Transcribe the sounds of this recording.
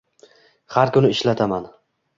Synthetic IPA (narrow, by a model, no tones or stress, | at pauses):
haɾkʊnɪɪʃlat̪ʰaman